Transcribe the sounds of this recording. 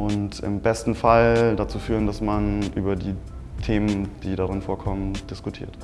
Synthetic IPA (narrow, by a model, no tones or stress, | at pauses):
ʔʊntɪ̰mbɛstn̩faldat͡suːfyːʁəndasmanʔyːbɐdiːtʰeːmənd̥iːdaʁɪnfoːɐkʰɔmənd̥ɪskʊtʰḭːɐt